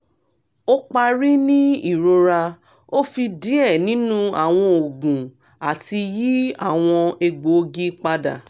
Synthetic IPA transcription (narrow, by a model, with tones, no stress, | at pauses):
o˦k͡pa˧ɾi˦nĩ˦i˦˨ɾo˧ɾa˧ | o˦fi˧di˨˦ɛ˦˨nĩ˨˦nũ˦a̰˦˨w̃ɔ̃˧o˨ɡũ˨ | a˨ti˧ji˦a˦˨w̃ɔ̃˧e˧ɡ͡bo˨˦ɡi˦k͡pa˧da̰˨